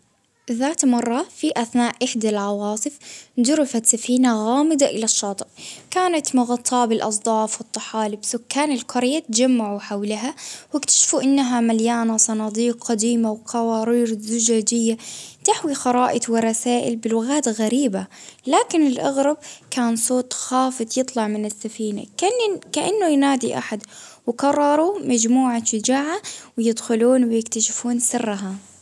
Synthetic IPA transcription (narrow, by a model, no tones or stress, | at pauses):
ðaːt̪mɑrˤːɑfiʔaθnaːʔʔɪħd̪alʕɑwɑːsˤɨfd̪ʊɾɪfat̪safiːnaɣaːmɪd̪aʔɪlaʃːɑːt̪ˤɨʔkaːnat̪mʊɣɑt̪ˤʰːɑːbɪlʔɑsˤd̪ˤɑːfwɪt̪ˤːɑħaːlɪbsʊkːaːnɪlqʊɾɪjːat̪d͡ʒamːaʕuħawlaɦawɪkt̪ḁʃfuʔɪnːaɦamaljaːnasˤɑnɑːd̪iːqːad̪iːmawqʰɑwɑːɾiːɾzʊd͡ʒaːd͡ʒɪjːat̪ɪħwixɑɾˤɑːʔɪt̪wɪɾˤɑsaːʔɪ̰lbɪlʊɣaːt̪ɣaɾiːbalaːkɪnɪlʔaɣɾˤɑb̚kaːnsˤoːt̪ˤxaːfɨd̪ˤjɨt̪ˤlɑʕmɪnɪsːafiːna̰kkaʔanːʊjnaːd̪iʔa̰ħad̪wɪkɑrˤːɑɾˤumad͡ʒmuːʕaʃʊd͡ʒaːʕawjɪd̪xʊluːnwɪjɪkt̪aʃɪfuːnsɪrːɦa